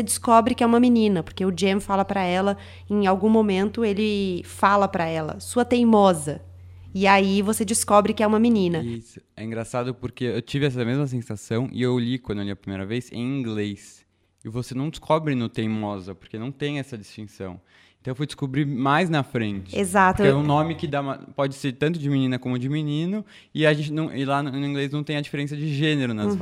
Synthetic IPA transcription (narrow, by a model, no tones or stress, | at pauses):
sed͡ʒɪskɔbɾɪkɪɛũmɐminĩnɐpoɾkeʊd͡ʒemfalɐpɾɐɛlɐ | ẽj̃awɡũmomẽnt̪ʊelɪfalɐpɾɐɛlɐ̰suɐt̪ẽjmɔzɐ | ɪaivosed͡ʒɪskɔbɾɪkɪɛũmɐminĩnɐisʊ̥ɛĩŋɡɾasad̪ʊpoɾkeewt͡ʃivɪɛs̬ɐmezmɐs̬ẽsasɐ̃w̃ʔɪ̰ewlikwɐ̃d̪ewliɐpɾimejɾɐvejsḛ̃j̃ĩɡles | ɪvosenɐ̃w̃d͡ʒɪskʰɔbɾɪnʊt̪ẽj̃mɔzɐpoɾkenɐ̃w̃t̪ẽj̃ɛsɐd͡ʒist͡ʃĩsɐ̰̃w̃ | ẽnt̪ɐ̃w̃ẽfujd͡ʒɪ̥skobɾiɾmajznɐfɾẽnt͡ʃɪezat̪ʊɛũnõmɪkɪd̪amɐpɔd͡ʒɪseɾt̪ɐ̃nt̪ʊd͡ʒɪminĩnɐkõmʊd͡ʒɪminĩnʊ | ɪaʒẽnt͡ʃɪnɐ̃w̃ʔɪlanʊĩŋɡleznɐ̃w̃t̪ẽj̃ɐd͡ʒifeɾẽs̬jɐd͡ʒɪʒẽneɾʊnɐ